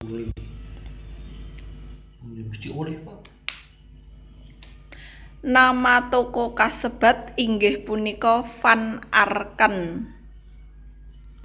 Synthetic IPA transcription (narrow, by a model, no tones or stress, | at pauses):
must̪iulɪhpɔ | namat̪okokasəb̥ä̤t̪̚iŋɡɪhpunikɔfanʔarkən